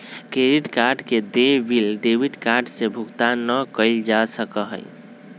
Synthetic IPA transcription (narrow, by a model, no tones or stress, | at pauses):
kɾeɾiʈkaɾɖked̪ebilɖebiʈkaɾɖsẽbʱukt̪anəkəɪld͡ʒasəkəɦə̰ɪ